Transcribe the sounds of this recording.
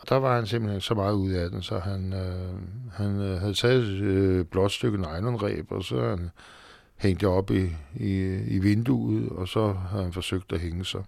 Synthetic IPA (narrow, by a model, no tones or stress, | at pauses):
d̥ɑ̈ʋɑ̈hænsimb̥l̩hensɒ̽mɑ̈ːð̞̩ˠuð̞̰ˠæd̥en̩sɒɦæn | hænɦæð̞ˠt͡sʰɛːð̩ˠb̥lɒ̽d̥sd̥øɡ̥n̩əɑ̈ɪnɐnʁɛ̰ːb̥ɒ̽sɒ̽hæn | heŋ̰d̥əɒ̽b̥iiiʋe̝nd̥uːð̩ˠɒ̽sɒ̽ɦhæð̩ˠhænfɒ̽søɡ̥̚d̥æɦeŋəsɑ̈ɪ